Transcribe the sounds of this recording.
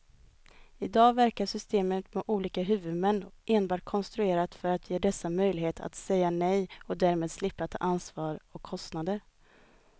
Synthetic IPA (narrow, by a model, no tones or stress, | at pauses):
ɪd̪ɑːvæɾkaʂʏst̪eːmət̪mɛʔuːliːkaɦʉ̟ːvɵd̪mɛnːʔeːnbɑːʈ̚kʰɔnst̪ɾɵeːɾat̪fœɾat̪ʰjeːd̪ɛsːamœjlɪɦeːt̪ʰa̰t̪sɛjːanɛjɔd̪æɾmeːd̪slɪpːat̪ʰːɑ̰ːʔansvɑːɾɔkʰːɔst̪nad̪əɾ